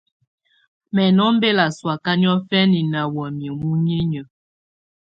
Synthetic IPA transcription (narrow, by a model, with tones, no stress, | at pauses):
mɛ˨nɔ˦m˦be˦la˨swa˨ka˦ni˦ɔ˦fɛ˦ni˨na˨wɔ˨mje˨mu˦ɲe˦ɲə˨